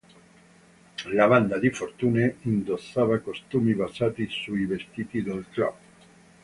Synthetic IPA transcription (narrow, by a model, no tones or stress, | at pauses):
laβand̪ad̪ifort̪uːneind̪osːaːvakost̪uːmibazaːt̪isuivest̪iːt̪id̪olt̪ɾa̰p